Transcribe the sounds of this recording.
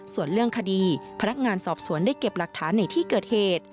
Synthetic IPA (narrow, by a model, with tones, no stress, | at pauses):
su˨˩ənlɯ˥˩əŋkʰa˧diː˧pʰa˧na˦˥k̚ŋaː˧nsɔː˨˩p̚su˨˩˦əndaː˥˩jke˨˩p̚la˨˩k̚t̪ʰaː˩˦nːa˧jt̪ʰiː˥˩kɤː˨˩t̪̚heː˨˩t̪̚